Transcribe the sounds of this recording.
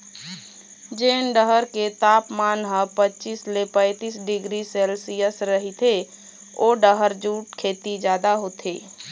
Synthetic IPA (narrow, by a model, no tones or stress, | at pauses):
d͡ʒeːnɖəɦəɾket̪aːpmaːnɦəpətːt͡ʃiːslepə̃ɪt̪iːsɖɪɡɾisɛːlsijəsɾəɦit̪ʰe | oːɖəɦəɾd͡ʒuːʈ̚kʰeːt̪id͡ʒjaːd̪aɦoːt̪ʰeː